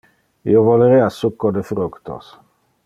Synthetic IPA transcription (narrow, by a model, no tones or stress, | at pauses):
ḭovoleɾeasukːod̪efɾukt̪o̰s